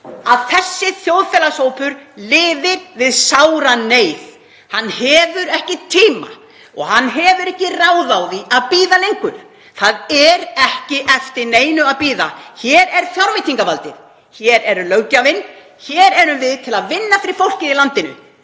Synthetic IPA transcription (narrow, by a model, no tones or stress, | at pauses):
aðθɛsːɪθjowðfɛːlasoːwpʏɾlɪːðɪɾvɪðsaːwɾaneːjð | hanːhɛːvʏɾɛhcɪt̪ʰiːma̰ | ɔ̰ɣhanːɦɛvʏɾɛhcɪraːwðawðiaðpiːðalejŋkʏɾ̥ | θaðɛɾɛhcɪʔɛft̪ɪneːjnʏaðpiːðaçɛːɾɛɾ̥θjawɾmɪt̪iŋkavalt̪ɪɾ | çɛɾɛɾʏlœwcavɪn | çɛːɾɛɾʏmvɪðt̪ʰɪlaðvɪnːafɪɾɪɾ̥fowl̥cɪðilant̪ɪnʏ̰